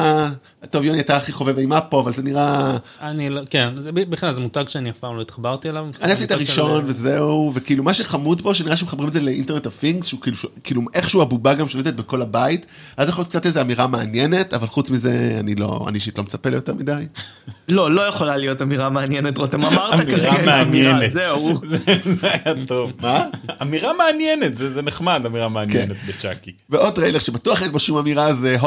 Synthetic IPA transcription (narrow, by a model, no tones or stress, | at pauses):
to̞vjoniajtaːχiχo̞veveimapo̞avalzeniʁaanilokenzebibiχinlalzemutaɡʃeaniafpaːmloit̪χabaʁt̪ielavaniasitaʁiʃo̞nvezeuvekiiːlumaʃeχamud̪bo̞ʃ̬eniʁaʃemeχabʁimezeleḭntenetafiŋɡsʃukiːluʃekiːluʔeχʃeuabubaɡamʃeled̪et̪̚beko̞labait | azjeχojot̪k̚t͡sat̪lezeamiʁameanjene̞tavalχut͡smize̞a̰nilo̰a̰niʃitlo̞met͡sapelajoteʁmidaj | lo̞lo̞jeχolalijo̞tamiʁameanjenet̪ʁot̪emamaʁtaemiaʁameanjenezeuzzeajato̞vmaamiʁameanjenet̪zezeneχmad̪amiʁameanjkenet̪bet͡ʃakiveʔo̞dʁeileʁʃebatuaχenbaʃumamiʁazeɦo